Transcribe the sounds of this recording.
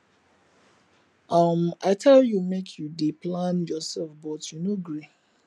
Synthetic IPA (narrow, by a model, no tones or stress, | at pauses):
ʔʌmaɪtʰɛljumekʰjudeplãnjɔsɛlfbɔtʰjunoɡɾi